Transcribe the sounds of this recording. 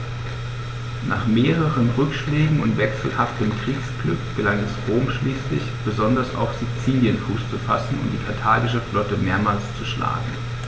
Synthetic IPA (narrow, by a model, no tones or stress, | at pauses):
nʔa̰ːχmeːʁəʁənʁʏkʃlɛːɡŋ̩ʊntv̥ɛksl̩haftəmkʁ̥iːksɡ̥lʏ̰kɡ̥əlaŋɛsʁoːmʃliːslɪ̰çb̥əzɔndɐsa̰ʊfz̥it͡siːljənfuːst͡sufa̰sn̩ʊ̰nd̥iːkʰatʰaːɐɡɪʃ̬əflɔtəmeːɐmaːlst͡suʃla̰ːɡŋ̩